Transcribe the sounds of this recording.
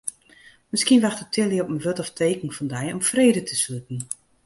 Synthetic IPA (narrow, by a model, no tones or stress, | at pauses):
mɪskiənʋaxtətʰɪlˠəɔpməʋøtɔftʰeːkən̩fɔndɛjɔmfreːdətʰəsløtn̩